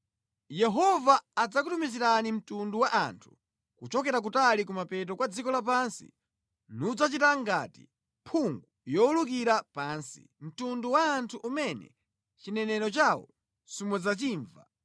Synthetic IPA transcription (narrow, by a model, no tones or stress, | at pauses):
jɛɦɔvaːd͡zak̬utumiziɾanim̩tunduwaʔa̰ntʰu̥ | kut͡ʃɔk̬ɛɾak̬utalikumapɛt̬ɔkwad͡zikɔlap̬ansḭ | nud͡zat͡ʃitaŋɡatḭ | pʰuŋɡujɔuluk̬iɾapaːnsḭ | m̩tunduwaːntʰuʔumɛnɛ̰ | t͡ʃinɛnɛɾɔt͡ʃawɔ̰ | sumwɛzat͡ʃiːɱva